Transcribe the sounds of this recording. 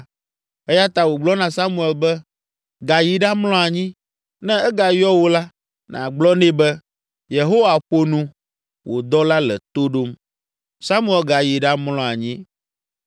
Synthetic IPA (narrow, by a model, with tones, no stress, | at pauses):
ɛ˦ja˦t̪a˨wo˨ɡ͡blɔ˦nã˨sa˦mũ˦˨ɛ˨lbɛ˦ | ɡa˨ji˨ɖa˦mlɔ̃˦a˨ɲĩ˦ | nɛ̃˦ɛ˦ɡa˨jɔ˦wo˦la˦ | nã̰˨ɡ͡blɔ˦nɛ̃˦bɛ˦ | je˨ɦo˦wa˨ɸo˦nũ˦ | wo˨d̪ɔ˦la˦lɛ̰˨t̪o˦ɖo˦m | sa˦mu˦ɛ˨lɡa˨ji˨ɖa˦mlɔ̃˦a˨ɲĩ˦